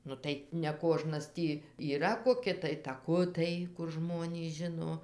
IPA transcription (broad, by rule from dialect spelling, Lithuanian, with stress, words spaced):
ˈnʊ tɐɪ nʲɛˈkoːʒnɐs ˈtʲiː iːˈrɐ koːˈkʲɪ tɐɪ tɐˈkʊtɐɪ kʊr ˈʒmoːnʲiːs ˈʒʲɪnoː